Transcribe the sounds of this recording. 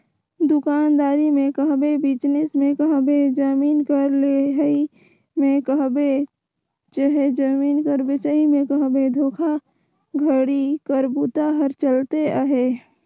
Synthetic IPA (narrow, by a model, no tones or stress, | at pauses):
d̪ʊkaːnd̪aːɾimẽkəɦbebɪd͡ʒnɪsmẽkəɦbed͡ʒəmiːnkəɾleɦi | mẽkəɦbe | t͡ʃəɦed͡ʒəmiːnkəɾbɪt͡ʃəimẽkəɦbed̪ʱoːkʰa | ɡʱəɽikəɾbut̪aɦəɾt͡ʃəlt̪eaɦe